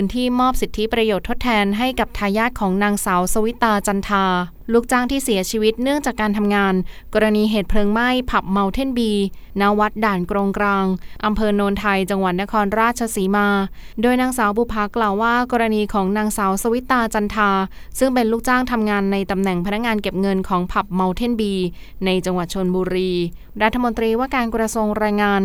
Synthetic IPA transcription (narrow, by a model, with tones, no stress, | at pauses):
ɯː˧nt̪ʰiː˥˩mɔː˥˩p̚si˨˩t̪ʰːi˦˥pɾa˧joː˨˩t̪ʰːo˦˥t̪ʰːɛː˧nɦa˥˩jka˨˩p̚t̪ʰaː˧jaː˥˩t̪̚kʰɔː˩˦ŋnaː˧ŋsaː˩˦wsa˧wi˦˥t̪ːaː˧t͡ɕa˧nt̪ʰaː˧ | luː˥˩k̚t͡ɕaː˥˩ŋt̪ʰiː˥˩si˩˦t͡ɕʰiː˧wi˦˥t̪̚nɯ˥˩əŋt͡ɕaː˨˩kːaː˧nt̪ʰa˧mŋaː˧nkɔː˧ɾa˧niː˧ɦeː˨˩t̪̚pʰlɤː˧ŋma˥˩jpʰa˨˩p̚ma˧wt̪ʰe˥˩nbiː˧na˦˥wa˦˥t̪̚daː˨˩nkɾoː˧ŋkɾaː˧ŋʔa˧mpʰɤː˧noː˧nt̪ʰa˧jt͡ɕa˧ŋwa˨˩t̪̚na˦˥kʰɔː˧nɾaː˥˩t̪̚t͡ɕʰa˧siː˩˦maː˧doː˧jnaː˧ŋsaː˩˦wbuː˧˩pʰaː˨˦˥klaː˨˩wːaː˥˩kɔː˧ɾa˧niː˧kʰɔː˩˦ŋnaː˧ŋsaː˩˦wsa˧wi˦˥t̪ːaː˧t͡ɕa˧nt̪ʰaː˧ | sɯ˥˩ŋpe˧nluː˥˩k̚t͡ɕaː˥˩ŋt̪ʰa˧mŋaː˧nːa˧jt̪a˧mnɛ˨˩ŋpʰa˧na˦˥k̚ŋaː˧nke˨˩p̚ŋɤ˧nkʰɔː˩˦ŋpʰa˨˩p̚ma˧wt̪ʰe˥˩nbiː˧ | na˧jt͡ɕa˧ŋwa˨˩t̪̚t͡ɕʰo˧nbuː˧ɾiː˧ | ɾa˦˥t̪ʰːa˧mo˧nt̪ɾiː˧waː˥˩kaː˧nkɾa˧su˧ŋɾaː˧jŋaː˧n